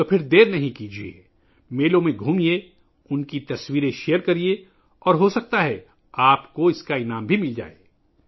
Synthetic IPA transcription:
t̪opʰɪɾd̪eːɾnɐɦĩkiːd͡ʒiḛ | meːlõmẽɡʱuːmie | ʊnkit̪ɐswiːɾẽʃejəɾkɐɾie | ɔːɾɦosɐk̚t̪aɦɛ | aːpkoɪskaɪnaːmbʱimɪld͡ʒa̰ːḛː

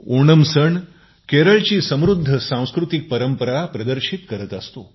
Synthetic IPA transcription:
oɳəmsəɳ | keɾəɭt͡ɕiːsəmɾud̪ʱːəsãw̃skɾut̪ik̚pəɾəmpəɾapɾəd̪əɾɕit̪kəɾət̪əst̪o̰

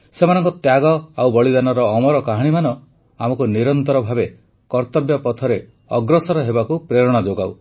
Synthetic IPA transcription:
semanɔŋkɔt̪jaɡɔawbɔɭid̪anɔɾɔːmɔɾɔkaɦaɽ̃imanɔ | amɔkuniɾɔnt̪ɔɾɔbʱabe | kɔɾt̪ɔbjɔpɔt̪ʰɔɾe | ɔɡɾɔsɔɾɔɦebakupɾeɾɔɽ̃ad͡ʒoɡaw

